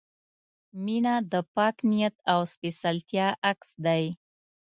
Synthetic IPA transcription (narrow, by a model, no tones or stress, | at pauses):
minad̪əpɑknijat̪awspesalt̪jɑʔaksd̪aj